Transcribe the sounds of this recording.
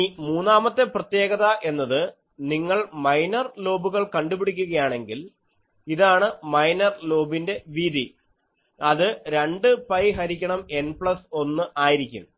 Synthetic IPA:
muːnːaːmɐt̪ːe̞prɐt̪je̞ːɣɐðɐʔe̞nːɐðɨ | niŋːɐɭmɐjnɐrlo̞ːbuɣɐɭkɐɳɖupiɽikʲːuɣɐjaːɳe̞ŋɡil | iðaːɳɨmɐjnɐrlo̞ːbinde̞ʋiːd̪i | ɐðɨɾe̞ɳɖɨpɐjɦɐɾikʲːɐɳɐme̞npɭɐso̞nːɨʔaːjiɾikʲːṵm

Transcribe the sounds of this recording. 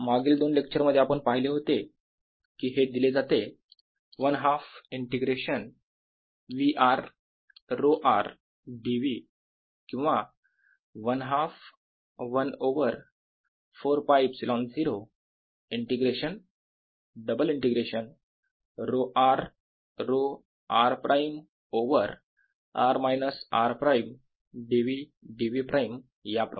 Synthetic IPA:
maɡiːld̪oːnlek̚t͡ɕəɾməd̪ʱːeapəɳpaɦileɦot̪e | kiːɦed̪iled͡zat̪e | ʋənɦafiɳʈeɡɾeɕən | ʋiʔaɾː | oʔa̰ɾ | ɖiʋi | kĩw̃ʋa | ʋənɦaf | ʋənoʋəɾ | foɾpajbsilond͡ziɾo | iɳʈeɡɾeɕən | ɖəbəliɳʈeɡɾeɕən | ɾoʔaɾ | ɾo | aɾpɾʔajm | oʋəɾ | aɾmajnəsa̰ɾpɾajm | ɖiʋi | ɖiʋipɾʔajm | japɾo̰

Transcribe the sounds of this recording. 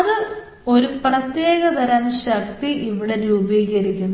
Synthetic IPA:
ɐðɨ | o̞ɾuprɐt̪jeːɣɐd̪ʱɐɾɐmɕɐkʰt̪ːiʔiʋiɽe̞ɾuːbiːɣɐɾikʲːunːɐ

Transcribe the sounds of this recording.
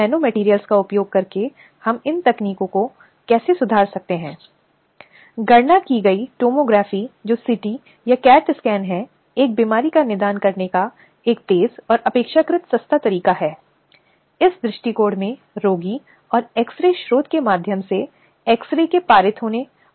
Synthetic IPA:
ɛːnomɛʈiːɾijəlskaʊpjoːɡ̚kɐɾke | hɐmɪnt̪ɐkniːkõko | kɛːsesʊd̪ʱaːɾsɐk̚t̪eɦɛ̃ː | ɡɐɾnakiɡɐiʈoːmoːɡɾaːfid͡ʒoːsɪʈi | jakɛːʈskɛːnɦɛ | eːk̚biːmaːɾikanɪd̪aːnkɐɾneka | eːk̚t̪eːzɔːɾɐpeːkʃakɾɪt̪sɐst̪ʰat̪ɐɾiːkaɦɛː | ɪsd̪ɾɪʃʈikoːɖmẽ | ɾoːɡi | ɔːɾɛːksɾeʃɾoːd̪kemaːd̪ʱjəmse | ɛːksɾekepaːɾɪt̪ɦoːne

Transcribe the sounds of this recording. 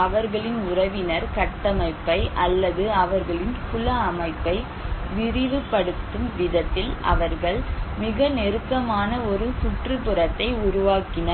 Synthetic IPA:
ɐʋɐɾɣɐɭɪnʊɾɐʋɪnɐɾkɐʈːɐmɐɪpːɐɪʔɐlːɐðɯɐʋɐɾɣɐɭɪnkʊlɐːmɐɪpːɐɪ | ʋɪɾɪʋɯpːɐɽɯt̪ːɯmʋɪðɐt̪ːɪlʔɐ̰ʋɐɾɣɐɭmɪɣɐnɛɾɯkːɐmaːnɐɔɾɯsʊʈrɯpɯrɐt̪ːɐɪʊɾʊʋaːkɪnɐ

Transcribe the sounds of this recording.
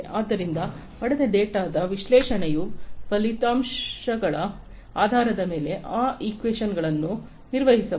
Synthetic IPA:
ʔaːd̪ːɐɾind̪ɐ | pɐɽɛd̪ɐɖeːʈaːd̪ɐʋiʃlɛːʂɐɳejupɐlit̪aːmʂɐɡɐɭɐ | aːd̪ʱaːɾɐd̪ɐme̞ːle̞ʔaːikʋeːʃɐnɡɐɭɐnːu | niɾʋɐɦisɐ

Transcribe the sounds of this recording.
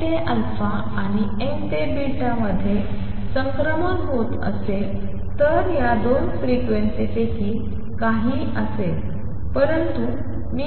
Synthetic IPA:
t̪eʔəlfa | aɽ̃i | ekt̪ebiʈãməd̪ʱːje | sə̃ŋkɾəmənɦot̪ə̰se | t̪əɾjad̪onfɾikʋensitekiː | kaɦiː | əse | pəɾənt̪u | mi

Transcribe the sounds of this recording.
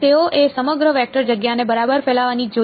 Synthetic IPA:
t̪eoʔesəməɡɾəʋɛk̚ʈəɾd͡ʒəɡjanebəɾabəɾfɛlaʋanid͡ʒo

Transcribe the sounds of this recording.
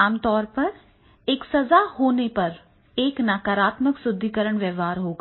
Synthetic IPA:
aːmt̪ɔːɾpɐɾ | eːksɐzahoːnepɐɾ | eːknaːkaːɾaːt̪məksʊd̪ʱːikəɾəɽ̃ʋjɛːʋɦaːɾɦoːɡa

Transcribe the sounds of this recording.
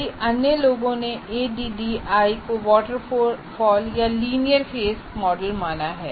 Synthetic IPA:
iʔɐnjəloːɡõneeːɖiːɖiaːikoʋɔːʈəɾofɔːljaliːnijəɾfʰeːsmɔːɖəlmaːnaɦɛ̰ː

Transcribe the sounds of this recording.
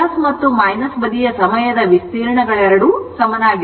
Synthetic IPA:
ɐsmɐt̪ːumɐjnɐsʋɐd̪ijɐsɐmɐjɐd̪ɐʋist̪iːɾɐɳɐɡɐɭɛɾɐɽusɐmɐnaːɡ

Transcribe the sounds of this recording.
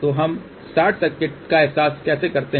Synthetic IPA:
t̪oɦɐm | saːʈʰsɐkɪʈ̚kaɛɦsaːskɛːsekɐɾt̪e

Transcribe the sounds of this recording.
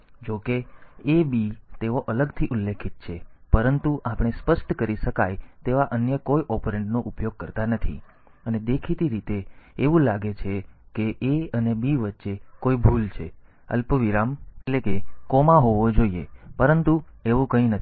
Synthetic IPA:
d͡ʒokeːbit̪eʋoʔələɡt̪ʰiʔulːekʰit̪̚t͡ʃʰepəɾənt̪uʔapɽ̃espəʃʈkəɾiʃəkajt̪eʋaʔənjəkojʔɔpɾeɳʈnoʔupjoɡ̚kəɾt̪anət̪ʰḭ | əned̪ekʰit̪iɾit̪eːʋũlaɡet͡ʃʰekeʔeənebiʋətːʃekoibʱult͡ʃʰe | ə̰lpəʋiɾamelekekɔmãɦoʋod͡ʒoiepəɾənt̪ueʋũkəĩnət̪

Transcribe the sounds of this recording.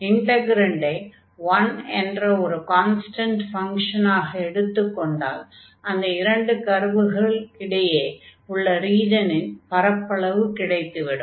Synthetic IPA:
ɪɳɖɐɡɪɾɐɳɖɐɪ | ʋɐnɛndrɐɔɾɯkaːnsʈɐɳʈfɐŋkʂɐnaːɣɐɛɽɯt̪ːɯkːɔɳɖa̰ːl | ɐnd̪ɐɪɾɐɳɖɯkɐɾʋɯɣɐɭkɪɽɐjeːʊɭːɐɾiːd͡ʒɐnɪnpɐɾɐpːɐɭɐʋɯkɪɽɐɪt̪ːɯʋɪɽɯm

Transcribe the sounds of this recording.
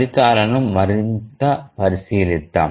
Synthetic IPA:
ɾɪkːaːɾɐnɯmːɐɾɪnd̪ɐpɐɾɪsijɪlɪt̪ːa̰ː

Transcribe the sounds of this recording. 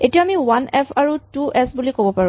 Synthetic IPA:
etijaamiwanɛpʰaɹutuʔɛsbulikobɔpaɹũ

